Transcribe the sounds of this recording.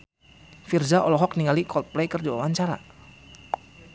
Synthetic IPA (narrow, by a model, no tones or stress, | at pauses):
firzaʔɔlɔɦɔk̚niŋalikʰɔl̚plɛkərd͡ʒawawaɲt͡ʃaɾa̰